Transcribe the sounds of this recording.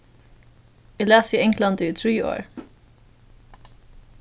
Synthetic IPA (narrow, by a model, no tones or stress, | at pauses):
ɪlæːsiːɛŋkʰlɑnd̪iːθɹiːo̰ːɹ